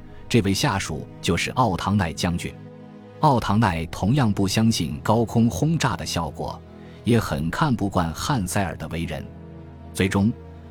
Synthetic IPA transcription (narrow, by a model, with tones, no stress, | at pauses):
ʈ͡ʂɤ˥˧we˥˧ɪɕja˥˩ʂṵ˨˩t͡ɕjo˥˧ʊʂɻ̩˥˧ʔɑ˥˩ʊt̪ʰɑ˧˥ŋna˥˩ɪt͡ɕjɑ˥ŋt͡ɕy̰˥˩ | ɑ˥˩ʊt̪ʰɑ˧˥ŋna˥˩ɪt̪ʰʊ˧˥ŋjɑ˥˧ŋpu˥˩ɕjɑ˥ŋɕi˥˩nkɑ˥ʊkʰʊ˥ŋxʊ˥ŋʈ͡ʂa̰˥˩d̪ə˩ɕjɑ˥˩ʊkwɔ̰˨˩˦ | jɛ˧˥xə̰˨˩nkʰa˥˧npu˥˧kwa˥˧nxa˥˧nsa˥˩ɪə̰˞˨˩d̪ə˦we˧˥ɪɻə̰˧˥n | t͡swe˧˥ɪʈ͡ʂʊ˥ŋ